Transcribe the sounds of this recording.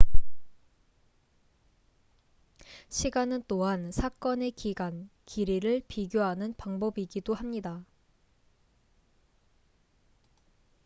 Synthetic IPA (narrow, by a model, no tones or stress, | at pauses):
ɕʰiɡanɯnt͈oɦansʰak͈ʌne̞kiɡankiɾiɾɯɭpiɡjoɦanɯnpaŋbʌbiɡidohamɲida